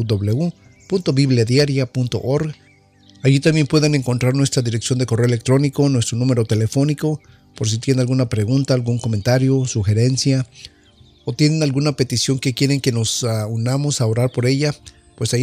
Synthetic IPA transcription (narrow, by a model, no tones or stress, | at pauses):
d̪oβleu | punt̪o̞βiβlaðjaɾjapunt̪o̞̰ʔoɾɣ | aʝit̪ambje̞mpwe̞ðe̞ne̞ŋko̞nt̪ɾaɾnwe̞st̪ɾaðiɾeksjo̞nd̪e̞ko̞reoelek̚t̪ɾo̞niko̞nwe̞st̪ɾo̞nũme̞ɾo̞t̪e̞le̞fo̞niko̞ | poɾs̬it̪je̞nalɣunapɾe̞ɣunt̪aːlɣuŋko̞ment̪aɾjosuxe̞ɾe̞nsja | ot̪je̞nenalɣunape̞t̪isjo̞ŋke̞kje̞ɾeŋke̞no̞saunamo̞sao̞ɾaɾpo̞ɾe̞ʝa | pwesa